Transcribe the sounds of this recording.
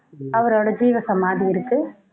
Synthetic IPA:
ɐʋɐɾoːɽɐd͡ʒiːʋɐsɐmaːðiɪɾɯkːɯ

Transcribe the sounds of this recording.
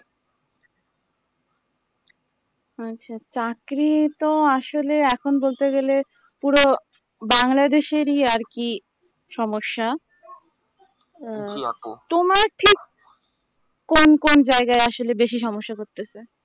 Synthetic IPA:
aːɕʰat͡ɕakɾit̪oaʃoleɛkʰonbolt̪eɡele | puɾo | baŋlad̪eʃeɾiaɾki | ʃɔmoʃːa | t̪omaɾʈʰik | onkond͡ʑaeɡaeaʃolebeʃiʃɔmoʃːakoɾt̪et͡ɕʰe

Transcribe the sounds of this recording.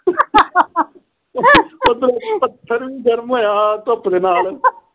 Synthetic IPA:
ət̪ɾopət̪ʰːəɾʋĩːɡəɾmɦoːjaːt̪oapɽeːnaːl

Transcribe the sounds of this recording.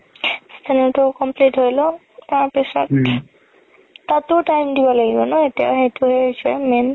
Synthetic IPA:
st̪ʰanɔtʊkɔmplitɦojlɔ | taɹpesɔt | tatʊtajmdibɔlaɡibɔnɔetija̰xejtʊɦeisɛmen

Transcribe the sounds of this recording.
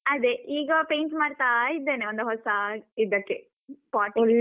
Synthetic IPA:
ɐd̪eiːɡɐpejɳʈmaːɖt̪aid̪ːeːneond̪uɦɔsɐid̪ːɐkːe | paːʈːl

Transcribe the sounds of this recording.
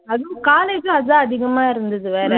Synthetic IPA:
ɐðɯ̃kaːleːd͡ʒɐ̃ɐðãːɐðɪɣɐmaːɪɾɯnd̪ɐðɯʋeːɾɛ

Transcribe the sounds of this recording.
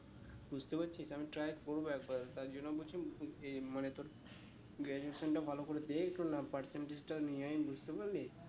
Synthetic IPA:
bud͡ʑʱt̪epatːɕʰisamiʈɾajɾkoɾboɛk̚baɾt̪aɾd͡ʑonːobolt͡ɕʰiemanet̪oɾ | ɡɛd͡ʑeesonʈabʱalokoɾed̪ekʰʈonapaɾseɳʈed͡ʑʈaniajbud͡ʑʱt̪epaɾle

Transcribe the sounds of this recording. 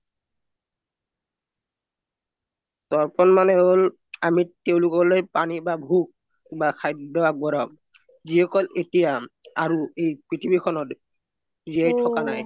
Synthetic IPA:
tɔɹpɔnmanɛɦol | amiteʊ̃lʊkɔlojpanibabʱuk̚ | bakʰajdɔak̚bɔɾɔ | ziɦɔkɔletijaaɹuejpɹitʰibikʰɔnɔt | ziajtʰɔkanaj

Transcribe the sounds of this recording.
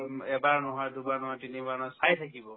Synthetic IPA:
ɛbaɹnɔɦɔjdubaɹnɔɦɔjtinibaɹnɔjsajtʰakibɔ

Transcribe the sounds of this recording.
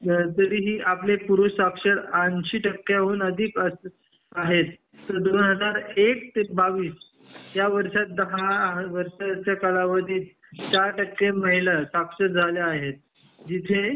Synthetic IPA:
t̪əɾiːɦiːʔaplepuɾussakʂəɾanɕiːʈəkːeaɦuːnəd̪ʱiːkəs | aɦet̪ː | əɾd̪onɦəd͡zaɾek̚t̪baʋiːs | jaʋəɾʂat̪̚d̪əɦaʋəɾʂat͡ɕakəlaʋəd̪ʱiːt̪ | t͡ɕaɾʈəkːeməɦilasakʂəɾd͡zʱaljaːɦet̪̚ | d͡ʑit̪ʰe

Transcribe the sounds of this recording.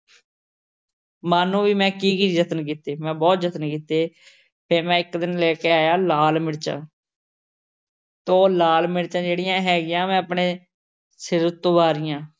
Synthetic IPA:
maːnũːʋiːmɛ̃ːkiːkiːd͡ʒət̪ənk̬iːt̪eːmɛ̃ːbɔːt̪d͡ʒət̪ənkiːt̪eː | pʰɪɾmɛ̃ːɪkd̪ɪnlɛːkeːaːjaːlaːlmɪɽt͡ʃã̰ː | t̪õːlaːlmɪɽt͡ʃãːd͡ʒeːɽɪjãːɦɛːɡɪjãːmɛ̃ːəpɳeː | sɪɾət̪ːõːbaːɾɪjãː

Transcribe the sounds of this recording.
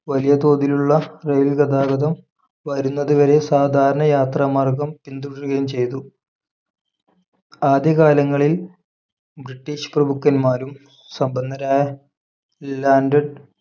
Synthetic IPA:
ʋɐlijɐt̪o̞ːd̪iluɭːɐrejlɡɐd̪aːɡɐðɐm | ʋɐɾunːɐðuʋɐɾe̞saːd̪ʱaːɾɐɳɐjaːt̪rɐmaːrɡɐmpind̪uɽuɣɐjumt͡ɕe̞jt̪u | aːd̪jɐkaːlɐŋːɐɭil | briʈːiːɕprɐbukːɐnmaːɾum | sɐmbɐnːɐɾaːjɐ | laːnɖɐɖ

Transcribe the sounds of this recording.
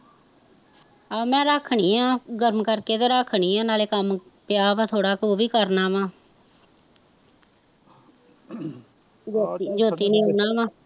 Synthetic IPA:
aːmɛ̃ːɾəkʰɳiːɦãːɡəɾmkəɾkeːt̪eːɾəkʰːɳiːɦãːnaːleːkəmpɪjaːʋãːt̪ʰoːɽaːkoːʋiːkəɾnaːʋãː | d͡ʒoːt̪iːnĩːɦoːnaːʋãː

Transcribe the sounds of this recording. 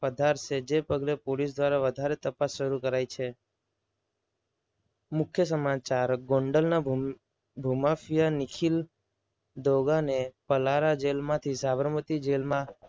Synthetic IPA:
əd̪ʱaɾʃed͡ʒepəɡlepolis̬d̪ʋaɾaʋəd̪ʱaɾet̪əpasʃəɾukəɾajt͡ʃʰe | mʊkʰjəsəmat͡ʃaɾɡõɳɖəlna | bʱumafijanikʰil | d̪oɡanepəlaɾad͡ʒelmãt̪ʰisaʋəɾmət̪id͡ʒelmã

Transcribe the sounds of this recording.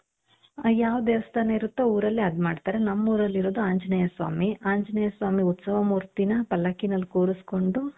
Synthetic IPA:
jaːʋɐd̪ɛːʋɐst̪ɐːneiɾut̪ːɐuːɾɐlːiɐd̪maːɖt̪aːɾenɐmːuːɾɐlːiɾoːd̪uaːɲd͡ʒɐnɐjɐsʋa̰ːmiaːɲd͡ʒɐnɐjɐsʋaːmiut̪sɐʋɐmuːɾt̪inɐpɐlːɐkinɐlːikoːɾusko̞ɳɖu

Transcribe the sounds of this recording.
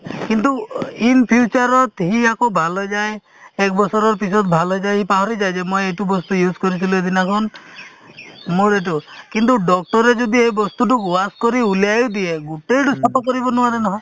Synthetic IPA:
kint̪uinpʰjut͡ʃaɾɔt̪ɦiakobʱalɔd͡ʒae | ek̚bɔsɔɾɔɾpisɔt̪bʱalɔd͡ʒajɦipaɦɔɾid͡ʒajd͡ʒemɔjeʈubɔst̪ujuskɔɾit̪ʰilued̪ʱinakʰɔn | muɾeʈ̬ukint̪uɖɔk̚ʈɔɾed͡ʒɔd̪ʱiebɔst̪uʈukaskɔɾiuljajud̪ieɡuʈejɖusɔp̪ɔkɔɾibɔnuaɾenɔɦɔ̃j

